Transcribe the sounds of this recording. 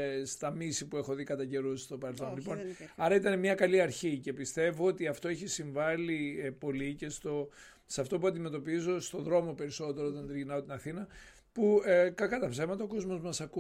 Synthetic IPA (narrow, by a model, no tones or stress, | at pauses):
st̪ɐmisipue̞xo̞ðikɐt̪ɐɟe̞ɾusi̥st̪o̞pɐɾelθo̞nlipo̞nɐɾɐit̪ɐnemɲɐkɐliɐɾçice̞pist̪e̞voot̪iɐft̪o̞eçisiɱvɐlipo̞lice̞st̪o̞ | seɐft̪o̞puɐnd̪ime̞t̪o̞pizo̞st̪o̞ðɾo̞mo̞pe̞ɾiso̞t̪e̞ɾoot̪ɐnt̪iʝinɐot̪inɐθinɐ | pukɐkɐt̪ɐpsevmɐt̪ɐoko̞zmo̞zmɐsɐku